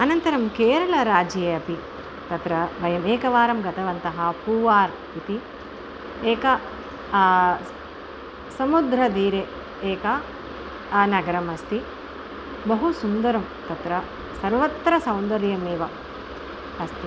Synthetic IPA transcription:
ɐnɐnt̪ɐɾɐmkeːɾɐɭɐɾaːd͡ʒeɐpi | t̪ɐt̪ɾɐbʱɐjɐmeːkɐʋaːɾɐmɡɐt̪ɐʋɐnt̪ɐɦɐpuːʋaːɾ | it̪i | eːkɐ | sɐmud̪ɾɐd̪iːɾe | eːkɐ | nɐɡɐɾɐmɐst̪i | bɐɦusund̪ɐɾɐm | t̪ɐt̪ɾɐ | sɐɾʋɐt̪ɾɐsɐwnd̪ɐɾjɐmeːʋɐ | ɐst̪i

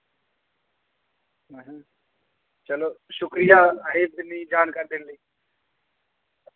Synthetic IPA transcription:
ɦəɦã | t͡ʃɐloʃʊkɾijaɦeb̚d̪nid͡ʒaːnkaːɾd̪inli

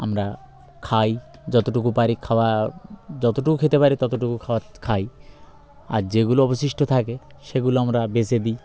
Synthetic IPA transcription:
amɾa | kʰajd͡ʒɔt̪oʈukupaɾikʰawa | d͡ʑɔt̪oʈukukʰet̪epaɾit̪ɔt̪oʈukukʰawakʰaj | a̰ɾd͡ʑeɡuloɔbosiʃʈot̪ʰakeʃeɡuloamɾabesed̪i

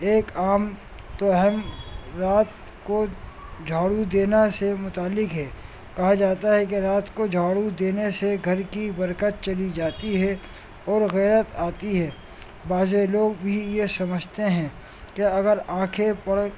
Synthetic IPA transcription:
eːkaːm | t̪oɛɦɛmɾaːt̪ | kod͡ʒʱaːɽud̪eːnasemʊt̪aːlːɪkɦɛː | kɐɦad͡ʒaːt̪aɦɛk̬eɾaːt̪kod͡ʒʱaːɽud̪eːneseɡʱɐɾkibɐɾkət̪̚t͡ʃɐlid͡ʒaːt̪iɦɛ | ɔːɾɣɛːɾət̪aːt̪iɦɛː | baːzeloːɡbʱijesɐməd͡ʒʱt̪eɦɛ̃ː | keɐɡəɾãːkʰepɐɽ

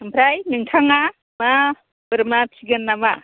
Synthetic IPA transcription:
ɯmpʰɾajnɯŋtʰaŋa | ma | bɯɾmatʰiɡɯnːama

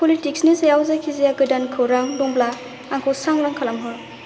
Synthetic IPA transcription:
pɔlitiksnisajawzakʰizijaɡɯdankʰɯwɾaŋbɔŋbla | aŋkʰɔwsaŋɾaŋkʰalamɦɔɾ

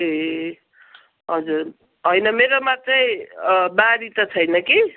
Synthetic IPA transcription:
e | ɦʌd͡zur | ɦʌjnʌmeɾomat͡sʌĩbaɾit̪ʌt͡sʰʌjnʌki

